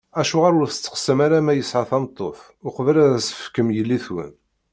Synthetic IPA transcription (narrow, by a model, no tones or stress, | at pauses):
æʃʊʁaɾʊɾθət͡sːə̥qsəmaɾamæjəsʕaθɑmt̪ˤːoθ | ʊqəvəlæðsə̥əfkːəmjəlːiθwə̰n